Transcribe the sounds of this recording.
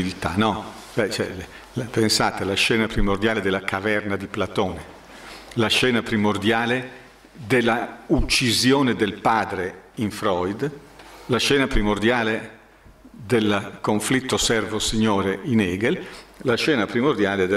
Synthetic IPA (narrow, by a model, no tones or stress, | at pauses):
ilit̪a̰nɔ | ɛt͡ʃɛ̰ | lapensaːt̪elaʃɛːnapɾimord̪jaːled̪elːakʰavɛrnad̪iplat̪oːne | laʃɛːnapɾimord̪jaːle | d̪elːaut͡ʃːizjoːned̪elpaːd̪ɾeiɱfɾɔjd̪ | laʃɛːnapɾimord̪jaːle | d̪elkoɱflit̪ːosɛrvosiɲːoːɾeinɛːɡellaʃɛːnapɾimord̪jaːled̪